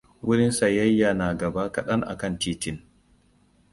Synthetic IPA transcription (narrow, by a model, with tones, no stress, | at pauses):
wʊ˦ɾɪ˦nsa˨jɐ˦jːa˨naː˨ɡɐ˨baː˦kɐ˨ɗɐ˦ŋʔa̰˨kɐ˦ntiː˦tɪ˦˨n